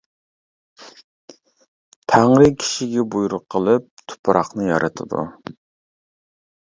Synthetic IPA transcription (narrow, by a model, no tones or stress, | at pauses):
t̪ʰæŋɾɨkʲʰi̥ʃiɡʲɛbujuɾʊqʰːəlˠɨp̚t̪ʰʊ̥pʰɾɑχnɨjɑ̰ɾʔɨt̪ʰɨd̪ṵ